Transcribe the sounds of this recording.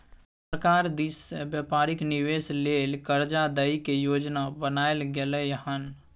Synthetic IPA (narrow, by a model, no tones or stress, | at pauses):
səɾkaːɾd̪isbjəpaːɾɪknɪweːsleːlkəɾd͡ʒad̪əikejoːd͡ʒnabənaːelɡelejəɦən